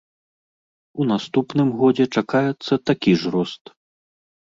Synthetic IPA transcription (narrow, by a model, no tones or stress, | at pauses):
unast̪upnɨmɣɔd͡zʲɛt͡ʂakajɛt̪sːɐt̪akʲiʐɾɔst̪